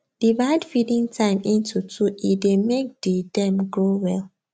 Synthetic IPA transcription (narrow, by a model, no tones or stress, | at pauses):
d̥ivaɪdfidĩŋtʰãɪ̃mĩntutʰuidemek̚didɛ̃mɡɹowɛl